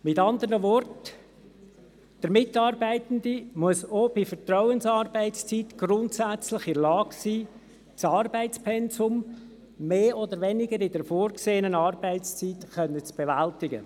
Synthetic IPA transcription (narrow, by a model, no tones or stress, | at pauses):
mɪtɑnd̪əɾnəvɔrt | d̥əɾmɪtɑːrbæɪtəndimuəsoːb̥ifəɾtrɔʊənsɑɾbæɪtst͡sitɡ̥ɾʊntsæt͡slɪχɪɾlɑːɡsiː | t͡sɑːrbæɪt͡spʰɛnsʊmː | eːod̪əɾʋɛnɪɡəɾɪdəɾfoːɾkseːənənɑːrbæɪtst͡sitxœnːət͡sb̥eʋæltɪɡə̰